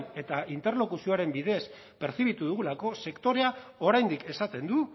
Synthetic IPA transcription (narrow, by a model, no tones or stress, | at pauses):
ne̞t̪aint̪e̞ɾlo̞kusio̞aɾe̞mbiðe̞s | pe̞ɾθiβ̞it̪uðuɣulako̞se̞kt̪o̞ɾe̞a | o̞ɾajnd̪ike̞sat̪e̞nd̪u